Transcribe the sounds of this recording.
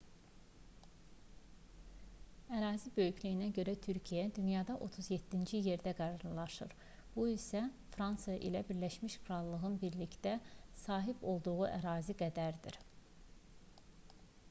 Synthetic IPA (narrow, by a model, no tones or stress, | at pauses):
æɾɑːzibø̞jyclijinæɟø̞ɾæt̪ʰyɾcʰijæd̪ynjɑd̪ɑʔot̪ʰuzje̞t̪ːind͡ʒije̞ɾd̪æɡæɾɑɾlˠɑʃɯɾ | b̥uisæ | fɾɑnsjɑʔḭlæbiɾlæʃmiʃkʰɾɑlˠːɯɣɯnbiɾlicd̪æsɑːɦibo̞lˠd̪uʁuʔæɾɑːziɡæd̪æɾd̪iɾ